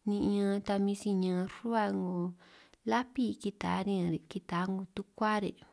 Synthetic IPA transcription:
nĩ˧ʔɲã˧t̪a˧mĩ˧si˧ɲã˧ɾu˦a˧ŋɡo˧la˦pi˦˧ki˧t̪a̰˨˦ɾĩ˦ã˧ɾe˨ki˧t̪a˨˦ŋɡu˧t̪u˦kʷa˦ɾḛ˨

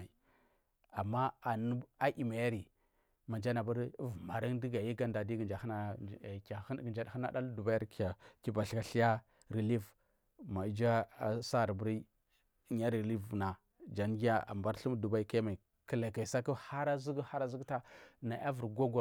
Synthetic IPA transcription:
i˨ | a˨mːa˦a˨nu˦a˦ʔi˨ma˨ja˦ɾi˨ | ma˨d͡ʒa˦na˨ba˦ɾvma˨ɾi˦ŋdi˦ɡa˨ji˦ɡa˦nda˨di˦ɡə˨nd͡ʒa˨hə˦na˦˨ka˨˦ɡə˨nd͡ʒa˦dha˦na̰˦da˦ldu˨ba˦ja˦ɾkja˨ki˨ba˨ɬka˨ɬi˦ja˦ | ɾi˨li˦v | ma˨˦d͡ʒa˦a˨sa˦ɾbu˦ɾi˦ | ɲa˦ɾli˦vna˨ | d͡ʒa˨n˦ɡi˦ja˦a̰˨mba˦ɾɬu˦m˦du˨ba˦i˦ka˦jma˨i˨ | kə˨la˨ka˨i˨sa˦ku˦ha˦ɾa˦zi˦ɡha˦ɾa˦zi˦ɡta˦na˨ʔa˦vu˨ɾɡo˦ɡo˨

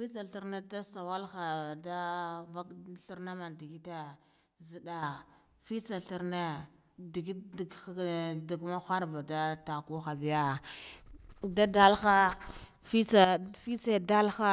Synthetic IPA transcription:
fi˦t͡sa˨ɬu˨ɾna˦da˦sa˨wa˦lxa˨da˦va˦kɬu˦ɾna˦ma˨ndi˨ɡi˦ta˦ | zi˨da˦ | fi˦t͡sa˨ɬu˦ɾna˦ | di˨ɡi˦˨˦ | di˨ɡma˦xa˦ɾba˨da˦ta˨ku˦xa˨bi˨ja˦ | da˦da˦lxa˦ | fi˦t͡sa˨fi˦t͡sa˦da˦lxa˦

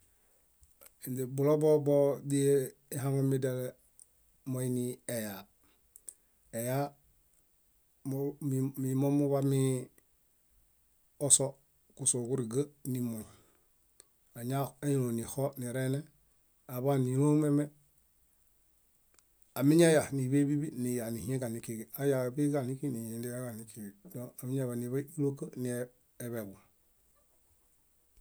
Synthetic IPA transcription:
i˨nde˨bu˨lo˦bobodi | iɦaŋomidale | mo˦inieja | e˨ja | mmimo˦mu˦βami | o˦so | ku˨so˨ku˦ɾi˨ɡa˦nimo˨ɲ | a˨ɲa˦a˦ji˦no˨ni˨ho˦ni˨ɾe˦ne˦ | a˨βa˦ni˨ɾo˦me˦me˦ | a˨mi˦ɲa˦ja˨ni˨βe˦bi˦bi˦ni˨ja˨ni˨hi˨˦ẽ˦ɡa˨ni˨ki˦˨ɡi˨a˦ja˨bi˦ɡa˨ni˦ki˦ni˨ji˨ndi˦ja˦ɡa˨ni˨ki˨i˨do˦a˨mi˦ɲa˨βa˨ni˨βa˦i˦lo˦kə˦ni˨eː˨ | βe˨ɡu˨

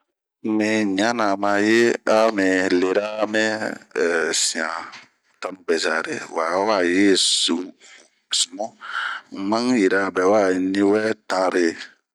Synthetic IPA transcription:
mɛ̃˨ɲ˨ã˦nã˨mã˨je˦a˦mɛ̃˨le˨ɾa˦mɛ̃˦˨ | si˨ã˨ | ta˦nũ˦bɛ˨za˨ɾḛ˨wa˨˦wa˦˨je˦su˨ | su˨mɔ̃˦ | mã˦ŋji˨ɾa˨bɛ˨˦wa˦˨nĩ˦wɛ˦ta˨ɾe˨

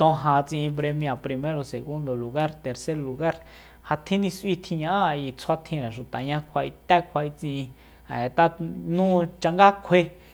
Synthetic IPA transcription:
t̪õ˧ɦã˧t͡sĩ˧ʔĩ˧pɾe˧mj̃a˨pɾi˧mẽ˦ɾo˧se˨ɣu˦nd̪o˨lu˨ɣa˦ɾt̪e˨ɾse˦ɾlu˧ɣa˦ɾ | ha˧t̪ʰĩ˦nĩ˧sʔwi˦t̪ʰĩ˧ɲã˧ʔa˦˧i˧˨t͡sʰwa˦t̪ʰĩ˧ɾã˨ʃu˨t̪a̰˨ɲã˧kʷʰa˧ʔi˧t̪a˦kʷʰa˧i˧t͡sĩ˧ʔĩ˧ | a̰˨e˨t̪a˦nũː˦t͡ʃa˧ŋɡa˦kʷʰe˧

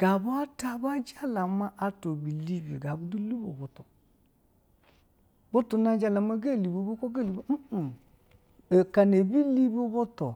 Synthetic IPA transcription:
ɡ̥a˨bu˦a˦ta˦˨ba˦d͡ʒa˦la˨ma˦ʔa˦to˨bi˨li˦be˨ɡa˨bu˦du˦li˦bo˨bo˨to˨ | bo˦tu˨na˦d͡ʒa˦la˨ma˦ɡe˦˨li˨bo˨˦bu˦ko˦ɡe˦˨li˨bo˦m̩˦˨ | e˨ka˨ne˨bi˦li˦bo˦bo˦to˨

